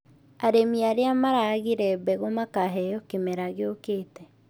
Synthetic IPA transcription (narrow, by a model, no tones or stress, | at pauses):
aɾemiaɾeamaɾaɣiɾɛbɛɣomakaɦɛjɔkemɛɾaɣeokeːtɛ